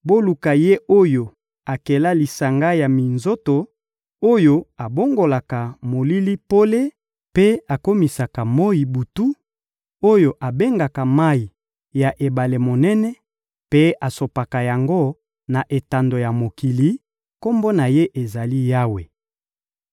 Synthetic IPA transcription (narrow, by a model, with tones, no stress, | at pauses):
bo˦lu˨ka˨je˦ʔo˦jo˨ | a˨ke˨la˦li˨sa˨ŋɡa˦ja˨mi˨nzo˦to˨ | o˦jo˦a˨bo˦ŋɡo˨la˨ka˨mo˨li˦li˦po˦le˦ | pe˦a˨ko˦mi˨sa˨ka˨mo˦i˨bu˨tu˦ | o˦jo˨ʔa˨be˦ŋɡa˨ka˨ma˦i˨ | ja˨ʔe˨ba˨le˨mo˨nɛ˦nɛ˦ | pe˦a˨so˨pa˨ka˨ja˨ŋɡo˦ | na˨ʔe˨ta˨ndo˨ja˨mo˨ki˨li˦ | ko˦mbo˦na˨je˦ʔe˨za˨li˦ja˦we˨